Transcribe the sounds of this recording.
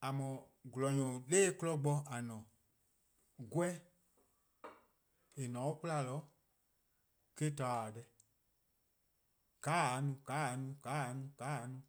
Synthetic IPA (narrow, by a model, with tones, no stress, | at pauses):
a˨mɔ̃˨ɡu˨lɔ˨ɲɔ̃˨leː˦klɔ˦ɡ͡bɔ˧a˨nɔ̃˨ | ɡwɛ˦ | e˨nɔ̃˨˦u˦k͡pu˦la˧˨lɔ˨˦ | ke˦ta˨a˨dɛ˧ | kaː˨˦˨nũ˧˦kaː˨˦˨nũ˧˦ka˨˦˨a˨˦nũ˧˦kaː˨˦˨nũ˧˦